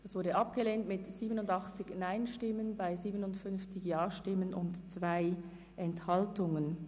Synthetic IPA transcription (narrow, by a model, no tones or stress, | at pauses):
dɛsv̥ʊɐdəʔɑpɡ̥əleːntmɪtz̥iːbənʊndɑχt͡sɪçnaɪnʃtɪmənbaɪziːbənʊntfʏnft͡sɪçjaːʃtɪmənʊntt͡sv̥aɪ | ʔɛnthɑltʊŋən